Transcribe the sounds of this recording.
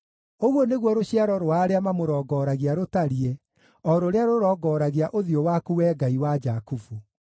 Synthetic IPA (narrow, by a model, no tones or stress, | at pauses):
oɣwɔneɣwɔɾoɕiaɾɔɾoaɾeamamoɾɔɡɔːɾaɣiaɾotaɾie | ɔɾoɾeaɾoɾɔːɡɔɾaɣiaʔoðiowakuwɛːɡaiwad͡ʒakufu